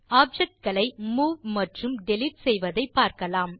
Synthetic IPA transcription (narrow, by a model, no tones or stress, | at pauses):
aːb̚d͡ʒɛk̚ʈ̚ɡɐɭɐɪmuːʋmɐʈrɯmɖɛlɪʈ̚sɛjʋɐðɐɪpːaːɾkɐlaːm